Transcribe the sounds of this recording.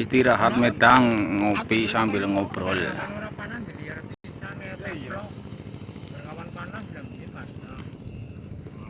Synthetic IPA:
ist̪iɾaɦat̪̚med̪̥aŋːopisambɪlŋob̥ɾɔl

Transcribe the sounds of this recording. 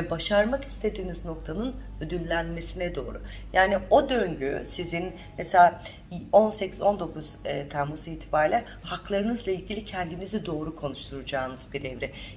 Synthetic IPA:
ɛbaʃaɾmaki̥st̪ʰe̞d̪iːnizno̞kt̪ʰanɯn | ø̞d̪ylʲːænme̞sinɛd̪o̞ːɾu | jaːnio̞d̪ø̞ɲɟy̰sizin | mɛselʲa | o̞nse̞cʰizo̞nd̪o̞kʰuzːt̪ʰæɾmusiːt̪ʰi̥baɾlʲɛ | haklˠaɾɯnɯzlˠailʲɟʲilʲicʰɛnd̪inizid̪o̞ːɾukʰo̞nuʃt̪ʰuɾud͡ʒaːnɯzbiɾevɾɛ

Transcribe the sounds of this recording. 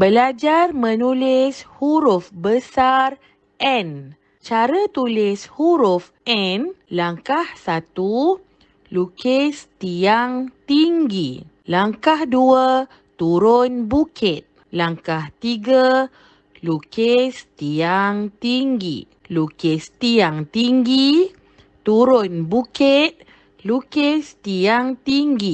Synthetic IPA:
bəlad͡ʒarmə̃nulɪshuɾʊfbəsar | ʔɛn | t͡ʃaɾət̪ulɪshuɾʊf | ɛnlaŋkahsat̪u | lukest̪iaŋt̪iŋɡi | laŋkahduə | t̪uɾonbukʰit̪̚ | laŋkaht̪iɡa | lukest̪iaŋt̪iŋɡḭ | lukest̪iaŋt̪iŋɡi | t̪uɾʊnbukɪt̪̚ | lukest̪iaŋt̪iŋɡi

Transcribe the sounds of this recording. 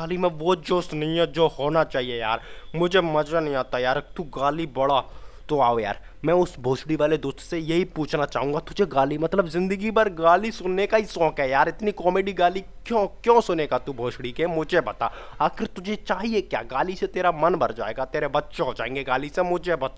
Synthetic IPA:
ɡaːlimɛ̃ʋod͡ʒoːsnɐĩɛd͡ʒoːhoːnat͡ʃaːɦieja̰ːɾmʊd͡ʒʱemɐd͡ʒanɐɦĩaːt̪ajaːɾt̪uːɡaːlibɐɽat̪oaːoja̰ːɾ | mɛ̃ːʊsbʱoːʃɽiʋaːled̪oːst̪sejɐɦipuːt͡ʃʰnat͡ʃaːɦũːŋɡat̪ʊd͡ʒʱeɡaːlimɐt̪ləbzɪ̃nd̪əɡipɐɾɡaːlisʊnːekaisɔ̃ːkɦɛjaːɾɪt̪nikɔːmeːɖiɡaːlikjõːkjõːsʊnekat̪uːbʱoːʃɽikemʊd͡ʒʱebɐt̪aːaːxɪɾt̪ʊd͡ʒʱet͡ʃaːɦiekja̰ːɡaːliset̪eːɾamɐnbɐɾd͡ʒa̰ːḛːɡat̪eːɾebɐtːʃẽɦod͡ʒaːẽːŋɡeɡaːlisemʊd͡ʒʱebɐt̪a

